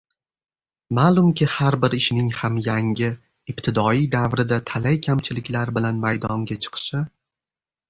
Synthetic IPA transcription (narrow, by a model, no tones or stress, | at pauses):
malˠʊmkʲɪhaɾbɪɾɪʃnɪŋhamjaŋʲɪ | ɪpt̪ʰɪd̪ɒijd̪avɾɪd̪at̪ʰalajkʲʰamt͡ʃʰɪlɪkʲlaɾbɪlanmajd̪ɒŋɡʲat͡ʃʰɨ̥qʰɨ̥ʃɪ